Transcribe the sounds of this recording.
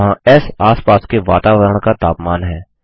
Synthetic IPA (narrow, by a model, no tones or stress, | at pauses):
ɦãːɛsaːspaːskeʋaːt̪aːʋəɾəɳ̃kat̪aːpmaːnɦɛː